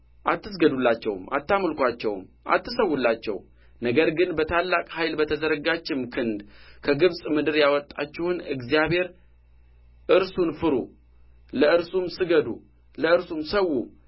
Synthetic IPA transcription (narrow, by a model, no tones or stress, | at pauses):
ʔat̪ːɨs̬ɡəd̪ulːat͡ʃːɛ̰wmʔa̰t̪ːamlkʷat͡ʃːɛ̰wm | ʔa̰t̪ːɨsəwːulːat͡ʃːɛ̰w | nəɡəɾɡɨnbət̪ʰalːakʼhajlbət̪ʰəzəɾəɡat͡ʃːɪmkʰɨnd̪kʰəɡɨβsʼmɨd̪ɨɾjawɔt̪ʼːa̰t͡ʃːɛhnɨɡzijaβhe̞ɾ | ʔɨɾsunfɨɾṵ | ləɨɾsumsɨɡəd̪u | ləɨɾsumsəwːu